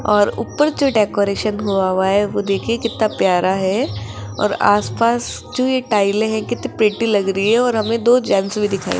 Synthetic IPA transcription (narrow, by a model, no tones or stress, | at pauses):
ɔːɾṵːpːəɾd͡ʒoɖeːkoːɾeːʃənɦuaʋaɦɛʋod̪eːkʰiekɪt̪napjaːɾaɦɛː | ɔ̰ːɾa̰ːspaːs | d͡ʒojeʈaːɪleɦɛ̃kɪt̪ipɾẽʈːilɐɡɾəɦiɦɛɔːɾɦɐmẽd̪oːd͡ʒɛ̃nsbʱid̪ɪkʰa̰ːḭ